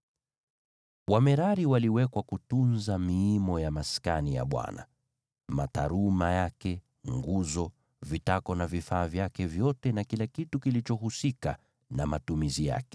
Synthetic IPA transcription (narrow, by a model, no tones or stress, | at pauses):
wamɛɾaɾiwaliwɛkwakutunzamiimɔjamaskanija̰ɓwa̰na | mata̰ɾumajakɛ | ŋɡuzɔ | vitakɔnavifaːvjakɛvjɔtɛnakilakitukilit͡ʃɔɦusika | namatumizija̰kɛ̥